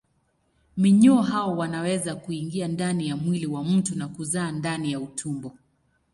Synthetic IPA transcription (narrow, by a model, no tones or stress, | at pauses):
miɲuɔɦaɔwanawɛzakuiŋɡiandanijamwiliwam̩tunakuzaːndanijautʰumbɔ